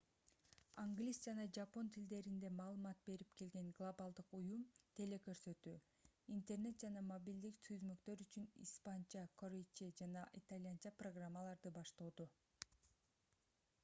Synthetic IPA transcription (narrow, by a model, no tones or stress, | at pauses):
aŋɡlʲisd͡ʒɑnɑd͡ʒɑpo̞nt̪ʰild̪e̞ɾind̪e̞mɑːlˠɯmɑt̪̚be̞ɾipke̞lɡe̞ŋɡlˠobalˠd̪ɯqujumt̪ʰe̞le̞kø̞ɾsø̞t̪yː | int̪e̞rne̞t̪̚d͡ʒɑnɑmobʲild̪ikt̪ʰyzmø̞kt̪ø̞ɾyt͡ʃynḭspant͡ʃɑkʰoɾʲet͡ʃid͡ʒɑnɑʔit̪alʲjant͡ʃɑproɡramːalˠɑɾd̪ɯbɑʃt̪oːd̪u